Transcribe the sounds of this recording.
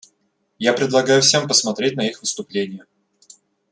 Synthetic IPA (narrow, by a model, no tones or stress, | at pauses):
japɾʲɪd̪lˠɐɡajʊfsʲe̞mpəsmɐt̪ɾʲet̚ʲnɐixvɨst̪ʊplʲenʲɪjə